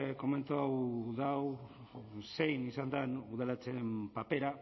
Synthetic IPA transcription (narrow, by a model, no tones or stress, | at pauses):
ko̞me̞nt̪oawðaw | se̞jnisand̪anuð̞alat͡sempape̞ɾa